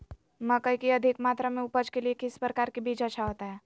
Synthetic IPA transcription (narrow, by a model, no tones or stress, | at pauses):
məkəikiɐd̪ʱɪkmaːt̪ɾamẽʊpəd͡ʒkeliekɪspɾəkaːɾkibʱiːd͡ʒəːʃʰaɦoːt̪aɦɛː